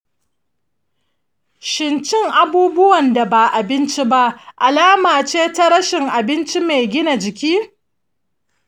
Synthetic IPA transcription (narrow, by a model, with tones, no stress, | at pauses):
ʃɪ˨nt͡ʃɪ˦ŋʔa˨buː˦bʊ˦wɐ˨nda˨ba˨ʔa˨bɪ˦nt͡ʃi˦ba˦ʔʔa˨laː˦maː˨t͡ʃeː˦ta˦ɽɐ˦ʃɪ˨ŋʔa˨bɪ˦nt͡ʃi˦me˨jɡʲɪ˦na˨d͡ʒɪ˨kʲiː˦